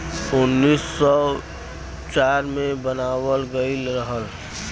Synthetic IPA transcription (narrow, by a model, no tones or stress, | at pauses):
ʊnːiːsːɔ | t͡ʃaːɾmẽbənaːwəlɡəɪlɾəɦəl